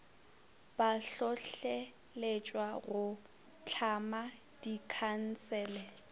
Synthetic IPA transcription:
b̥aɬɔɬe | let͡ʃʼwaɣʊ | t͡ɬʰama | d̥ikʰan̩t͡sɛːlɛ

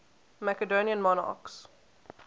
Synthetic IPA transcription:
mækədoːniə̃nmɔna̰ks

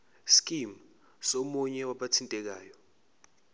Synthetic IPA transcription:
skʼim | somuɲɛwaɓatʰintʼɛk̬aːjɔ

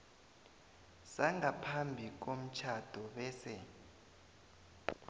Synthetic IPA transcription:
saŋapʰambʱik̬om̩t͡ʃʰad̥ʱɔɓɛːsɛ

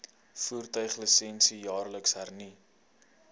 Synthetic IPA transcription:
fuːrtœɥχləsɛnsijɑːrləksɦærni

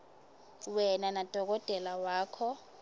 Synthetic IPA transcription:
wɛnanad̥ʱɔk̬ʼɔd̥ʼʱɛlawaːkʰɔ

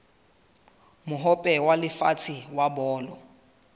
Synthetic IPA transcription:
mʊɦɔpʼɛwalɪfa̰t͡sʰiwabɔːlɔ

